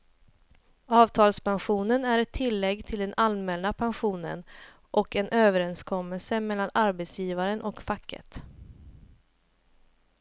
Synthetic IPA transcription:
ɑːvt̪ʰɑːlspanɧuːnənæɾɛt̪ʰːɪlːɛɡːt̪ʰɪld̪ɛnʔalmɛːlnapʰanɧuːnə̰n | ʔɔkɛnʔøːvəɾɛnskʰɔmːɛlsəmɛlːanaɾbɛt̪sjiːvaɾənʔɔkfakʰːə̰t̪

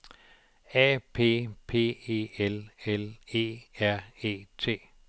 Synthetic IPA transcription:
ɛːpʰe̝̰ːpʰe̝̰ːe̝̰ːelele̝̰ːæɐ̰e̝̰ːt͡sʰe̝̰ː

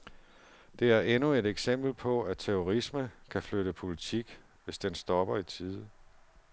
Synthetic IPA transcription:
d̥e̝æɐʔenue̝ɾeɡ̥sem̰b̥l̩pʰɒ̽æt͡sʰeoʁisməkʰæfløɾəpʰo̝lit͡sʰiɡ̥ | ʋe̝sd̥ensd̥ɒ̽b̥ɐit͡sʰiːðˠə

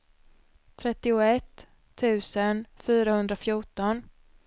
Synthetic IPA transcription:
t̪ʰɾɛt̪ːɪʊɛt̪ʰː | ʉ̟ːsənfyːɾahɵnd̪ɾafjʊʈːɔn

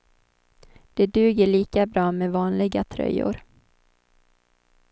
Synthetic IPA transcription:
d̪̥ɛd̪ʉ̟ːɡəɭiːkabɾɑːmɛvɑːnlɪɡat̪ʰɾœ̰jːʊ̰ɾ

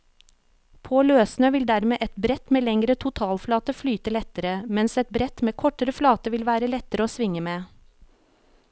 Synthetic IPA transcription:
pʰoːløːsnøːʋɪld̪æɾmeːʔɛt̪bɾɛt̪meːlɛŋɾət̪ʰʊt̪ʰɑːlflɑːt̪əflyːt̪əlɛt̪əɾəmɛnsɛt̪̚bɾɛt̪meːkʰɔʈəɾəflɑːt̪əʋɪlʋæːɾəlɛt̪əɾəoːsʋɪŋəmeː

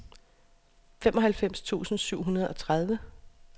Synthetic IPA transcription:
femʔɒ̽ɦælfem̰st͡sʰṵːsn̩syʊ̰ɦunɐð̞̩ˠʔɒ̽t͡sʰʁað̞ˠʋə

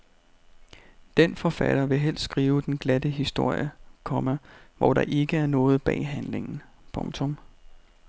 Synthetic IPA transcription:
d̥enfɒ̽fæɾ̥ɐʋe̝ɦel̰ssɡ̥ʁiːʊd̥enɡ̥læd̥əɦisd̥o̝ɐ̰jəkʰɒ̽mæʋɒ̰d̥ɑ̈ʔe̝ɡ̥əæɐnɔ̽ːð̞̩ˠb̥ɛ̰ːɦænle̝ŋn̩ | pʰɔ̽ŋt͡sʰɔ̽m

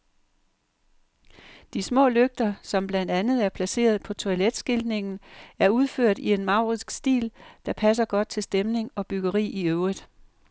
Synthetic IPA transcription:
d̥ismɔ̰̽ːløɡ̥̚d̥ɐsɒ̽mb̥lænd̥ænð̞̩ˠæɐpʰlæse̝̰ːɐð̞̩ˠpʰɒ̽t͡sʰo̝æled̥sɡ̥ild̥ne̝ŋn̩æɐuð̞ˠføɐ̰d̥ie̝nmɑ̈ʊ̰ʁisɡ̥sd̥ḭːld̥ɑ̈pʰæs̬ɐɡ̥ɒ̽d̥̚t͡sʰe̝lsd̥emne̝ŋɒ̽b̥yɡ̥ɐʁḭːiøʊʁid̥ˠ

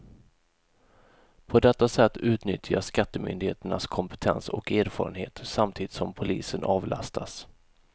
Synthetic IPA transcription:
pʰɔd̪ɛt̪ːasɛt̪ːʉ̟ːt̪nʏt̪ʰːjaʂkat̪ːəmʏ̰nd̪ɪheːt̪əɳaskʰɔmpə̥t̪ʰɛnsɔ̰keːɾfɑ̰ːɾənhḛːt̪samt̪ʰiːd̪ɪt̪sɔmpʰʊliːsənʔɑːvlʔa̰st̪ʰas

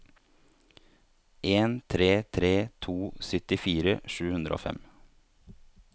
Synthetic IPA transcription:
ʔeːnt̪ʰɾeːt̪ʰɾeːt̪ʰuːsʏt̪ɪfiːɾəʃʉːhʉnd̪ɾʔo̰ːfɛ̰m

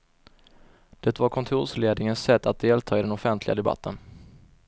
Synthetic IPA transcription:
d̪̥ɛt̪vaɾkʰɔnt̪ʰuːʂleːd̪nɪŋənsːɛt̪ːat̪̚d̪eːlt̪ʰɑːɪd̪ɛnɔfɛnt̪ʰlɪɡad̪ɛba̰t̪ːən

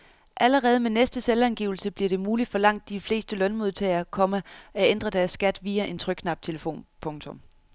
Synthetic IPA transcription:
ʔæləʁɛːð̞ˠmenesd̥əselænɡ̥iʊl̩səb̥liɐɾ̥e̝muːlid̥fɒ̽lɑ̈ŋ̰d̥ːifle̝̰ːsd̥əlœnmo̝ð̞ˠt͡sʰɛɪɐkʰɒ̽məʔæend̥ʁɐd̥æɐsːɡ̥æd̥ʋiːæʔe̝nt͡sʰʁœɡ̥kʰnɑ̈b̥̚t͡sʰe̝ləfo̝̰ːnpʰɔ̽ŋt͡sʰɔ̽m

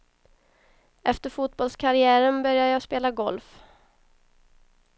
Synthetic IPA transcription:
ɛft̪əɾfuːt̪̚bɔlskʰaɾɪæːɾənbœɾjajɑːspeːlaɡɔlf

